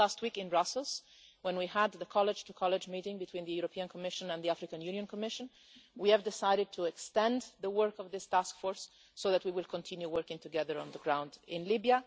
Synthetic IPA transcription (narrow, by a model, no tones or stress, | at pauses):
læst̚wikɪ̃nbɹʌsl̩ˠz̥ | wɛ̃nwiəd̪ðəkʰɑlˠɨd͡ʒ̥tʰukʰɑlˠɪd͡ʒmiɾɪ̃ŋbɨtʰw̥ĩnðɨjuɹɔpʰiə̃nkʰɔmɪʃə̃nə̃nðiæfɹɨkə̃njʉ̃njɨ̃nkʰəmɪʃə̃n | wiɨvdɪsaɪɾɨd̚tʰuɛkstɛ̃nðəwɜ˞kʌvðɪstæskfɔɹsː | oʊðæt̚wiwɪlˠkʰə̃ntʰɪ̃njuwɜ˞kɪ̃ŋtɨɡɛðə˞ə̰̃nðəɡɹãʊ̃ndɪ̃nlɪbiə